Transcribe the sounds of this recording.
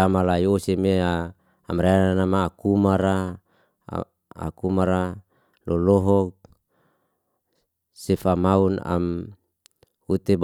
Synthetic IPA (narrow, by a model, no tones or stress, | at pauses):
amalaiosemeaː | mɾaananamaːkumaɾa̰ | a̰kumaɾa | lɔlɔɦɔk̚ | sefamauna̰m | ut̪eb